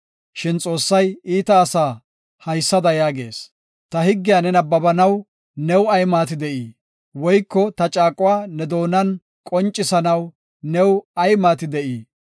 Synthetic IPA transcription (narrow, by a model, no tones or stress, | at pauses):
ʃɪnt͡sʼo̞ːsːɐjiːt̪ɐːsaː | hɐjsːɐd̪ɐjaːɡe̞̰ːs | t̪ɐhɪɡːɪjaːnɛnɐbːɐbɐnɐw | nɛwɐjmaːt̪ɪd̪ɛʔiː | wɔjkːɔt̪ɐt͡ʃʼaːkʼʊwaːnɛd̪o̞ːnɐn | kʼɔnt͡ʃʼːɪsɐnɐw | nɛwɐjmaːt̪ɪd̪ɛʔiː